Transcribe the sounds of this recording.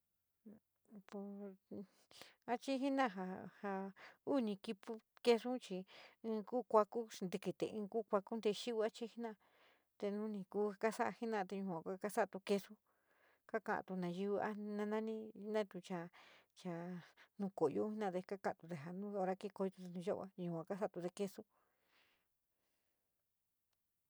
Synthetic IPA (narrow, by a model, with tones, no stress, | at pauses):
po˧ | a˦t͡ʃi˦ɦi˦nã˦˨ɦa˧ha˧u˦nĩ˧ki˧pu˦ke˧ʂũ˦t͡ʃĩ˧˦˧kuː˦kʷa˧ku˦˧nd̪i˧ki˧˨t̪ḛ˧˨ʔĩː˧kuː˦kʷa˧ku˦nd̪e˧ʃi˦u˧a˦t͡ʃi˦i˦nã˦˧ | t̪e˧nũ˧˦nĩ˧kuː˧˦˧ka˦sa˦ʔa̰˧hi˦nã˦˧t̪e˧ɲũ˧kʷã˨kʷa˦ka˦sa˦a˧t̪u˧ke˧ʂu˦ | ka˦ka̰˧˨ʔa̰˨t̪u˧nã˨˧ji˧ʔa̰˦nã˧nã˦nĩ˦nã˦t̪u˧t͡ʃa˧ | t͡ʃa˨˧nũ˧ko˨jo˦hi˦nã˦˧t̪e˧ka˦kã˧ʔã˨t̪u˧t̪e˧˨ɦa˨nũ˦o˧ɾa˧ki˦˧ko˧i˧t̪u˧t̪e˧nũ˧ʒo˦ʔa̰˦˧ɲũ˧˨kʷã˨ka˦sa˦˨˧t̪u˧t̪e˧ke˧su˦